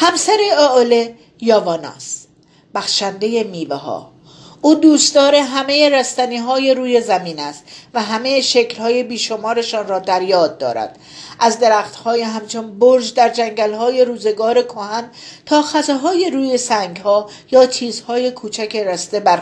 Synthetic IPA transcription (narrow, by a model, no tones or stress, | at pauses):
hæmsæɾeoole | jɒːvɒːnɒ̰ːs | b̥æxʃænd̪e̞jemiːveɦɒ̰ː | ʔuːd̪uːst̪ɒːɾe̞ɦæme̞jeɾæst̪æniːɦɒːjeɾuːje̞zæmiːnæst̪væɦæmejeʃeclhɒːjebiːʃo̞mɒːɾe̞ʃɒːnrɒːd̪æɾjɒːd̪ːɒ̰ːɾæ̰d̪̥ | ʔæzd̪eɾæːxt̪hɒːjeɦæmt͡ʃʰonboɾʒd̪æɾd͡ʒæŋɟælhɒːje̞ɾuːze̞ɡɒːɾe̞kʰohænt̪ʰɒːxæzɒɦɒːjeɾuːje̞sæŋɡhɒː | jɒːt͡ʃʰiːzhɒːje̞kʰuːt͡ʃʰækʰeɾæst̪e̞bæɾ